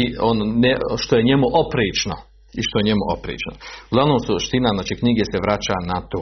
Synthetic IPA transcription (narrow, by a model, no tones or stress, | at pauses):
iononeʃt̪o̞jeɲe̞muʔopɾiːt͡ʃno | iʃt̪ojeɲe̞muʔopɾḭːt͡ʃnoɡlaʋnoːmsuʃt̪inaznaːt͡ʃiːkɲiːɡeseʋɾat͡ɕanat̪oː